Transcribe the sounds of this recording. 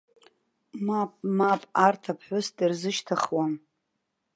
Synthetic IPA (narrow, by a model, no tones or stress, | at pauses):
mapʼmapʼartʰapʰħʷʊsdɨrzɨʃtʰaχwan